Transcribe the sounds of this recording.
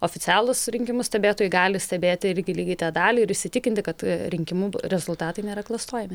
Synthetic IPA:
oːfʲɪt͡s̪ʲɑːlˠʊsɾʲɪŋʲkʲɪmʊsʲt̪ʲɛbʲeːt̪oːjʊɪɡɑːlʲɪsʲtʲɛbʲeːt̪ʲɪɪɾʲɡʲɪlʲiːɡʲɐɪt̪ɑːd̪ɑːlʲiːɪɾɪʃʲsʲɪtʲɪkʲɪnʲt̪ʲɪkɐt̪ɾʲɪŋʲkʲɪmuːɾʲɛzʊlˠt̪ɑːt̪ɐɪnʲeːɾɐklˠɐst̪oːjɛmʲɪ

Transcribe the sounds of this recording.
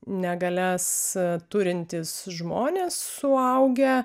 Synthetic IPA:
nʲɛɡɐlʲɛst̪ʊɾʲɪnʲt̪ʲɪsʒmoːnʲeːsːʊɐʊɡʲɛ

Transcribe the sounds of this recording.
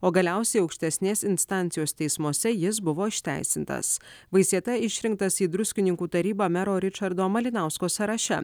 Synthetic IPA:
oːɡɐlʲæˑʊsʲɛɪɒʊkʃʲt̪ʲɛsʲnʲeːsɪnst̪ɑˑnʲt̪sʲɪjoːst̪ʲɛɪsmuɔsʲɛjɪsbʊʋoːɪʃʲt̪ʲæ̰ˑɪsʲɪnt̪ɐ̰sʋɐɪsʲiɛt̪ɐɪʃʲɾʲɪŋk̚t̪ɐsiːd̪ɾʊsʲkʲɪnʲɪŋkuːt̪ɐɾʲiːbɑːmʲɛɾoːɾʲɪt͡ʃɐɾd̪oːmɐlʲɪnɑˑʊskoːsʲɐɾɐʃʲɛ̰

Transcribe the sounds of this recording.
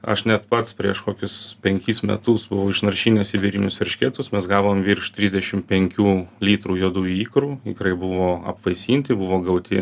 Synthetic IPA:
ɐ̰ʃnʲɛt̪pɐt̪spʲɾʲiɛʃkoːkʲʊspʲɛŋʲkʲiːsmʲɛ̰t̪ʊsbʊʋɐʊɪʃnɐɾʲʃʲiːnʲɛsʲɪʋʲɛɾʲinʲʊsʋʲɛɾʲʃʲkʲeːt̪ʊsmʲɛsɡɑːʋoːmʋʲiːrʃt̪ʲɾʲiːzʲdʲɛʃʲɪmpʲɛŋʲkʲuːlʲiːt̪ruːjuɔd̪uːjiːkɾuːɪkɾɐɪbʊʋoːɐ̰pʋɐɪsʲiːnʲt̪ʲɪbʊʋoːɡɐʊt̪ʲɪ

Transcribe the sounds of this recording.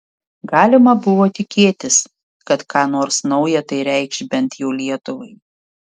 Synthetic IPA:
ɡɑːlʲɪmɐbʊʋoːt̪ʲɪkʲeːt̪ʲɪs | kɐt̪kɑːnoːɾsnɒʊjɛt̪ɐɪɾʲɛɪkʃʲbʲɛnt̪jɛʊlʲiɛt̪ʊʋɐɪ

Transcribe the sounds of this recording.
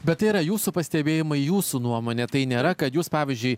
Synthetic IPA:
bʲɛt̪t̪ːɐɪiɾɐjuːsupɐsʲt̪ʲɛbʲeːjɪmɐɪjuːsuːnuɔmoːnʲɛt̪ɐɪnʲeːɾɐkɐt̪juːspɑːʋʲɪzʲd͡ʒʲʊɪ

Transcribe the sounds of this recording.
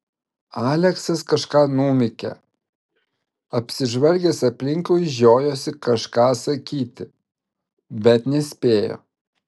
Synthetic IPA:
ɑːlʲɛksɐskɐʃkɑːnuːmʲɪkʲɛ̰ | ɐpʲsʲɪʒʋɐlʲɡʲɛsɐpʲlʲɪŋʲkoːʒʲoːjoːsʲɪkɐʃkɑːsɐkʲiːt̪ʲɪ | bʲɛt̪nʲɛsʲpʲeːjo̰ː

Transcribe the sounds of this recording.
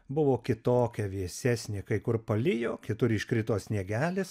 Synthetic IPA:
bʊʋoːkʲɪt̪oːkʲɛʋʲiɛsʲæsʲnʲɪkɐɪkʊrpɐlʲɪjoːkʲɪt̪ʊɾɪʃkɾʲɪt̪oːsʲnʲiɛɡʲæːlʲɪs

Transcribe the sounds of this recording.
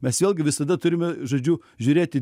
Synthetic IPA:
mʲɛsʋʲeːlʲˠɡʲɪʋʲɪsɐd̪ɐt̪ʊɾʲɪmʲɛʒoːd͡ʒʲuː | ʒʲuːɾʲeːt̪ʲɪ

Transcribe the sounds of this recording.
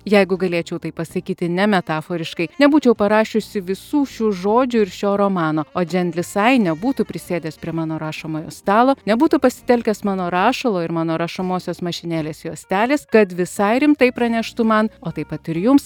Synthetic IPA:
jɛɪɡʊɡɐlʲeːt͡ʃʲɛʊt̪ɐɪpːɐsɐkʲiːt̪ʲɪnʲɛmʲɛt̪ɑːfoːɾʲɪʃkɐɪnʲɛbuːt͡ʃʲɛʊpɐɾɑːʃʲʊsʲɪʋʲɪsuːʃʲuːʒoːd͡ʒʲʊɪɾʃʲoːɾoːmɑːnoːoːd͡ʒʲɛnlʲɪsɐɪnʲɛbuːt̪ʊpʲɾʲɪsʲeːd̪ʲeːspʲɾʲiɛmɑːnoːɾɑːʃɐmoːjo̰ːst̪ɑːlˠoːnʲɛbuːt̪ʊpɐsʲɪ̥t̪ʲɛlʲkʲɛːsmɑːnoːɾɑːʃɐlˠoːɪɾmɑːnoːɾɐʃɐmoːsʲoːsmɐʃʲɪnʲeːlʲeːsjoːsʲt̪ʲæːlʲeːskɐt̪ʋʲɪsɐɪɾʲɪmt̪ɐɪpɾɐnʲɛʃt̪ʊmɐnoːt̪ɐɪpɐt̪ɪɾjʊms

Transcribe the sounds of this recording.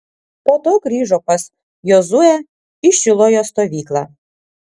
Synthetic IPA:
poːt̪oːɡɾʲiːʒɔpɐs | jozuɛ | ɪʃʲɪlˠoːjost̪oːʋʲiːklˠɑ

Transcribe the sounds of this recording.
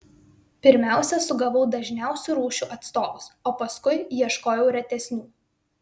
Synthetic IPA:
pʲɪɾʲmʲæˑʊsʲɛsʊɡɐʋɐʊd̪ɐʒʲnʲæˑʊsʲuːˑɾuːʃʲuːʔɐt̪st̪oːʋʊsoːpɐskʊɪjiɛʃkoːjɛʊɾʲɛt̪ʲɛsʲnʲuː

